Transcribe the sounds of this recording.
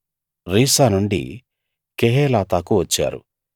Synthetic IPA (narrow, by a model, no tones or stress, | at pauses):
ɾiːsaːnuɳɖḭ | keɦeːlaːt̪aːkuʋɐt͡ʃːa̰ːɾṵ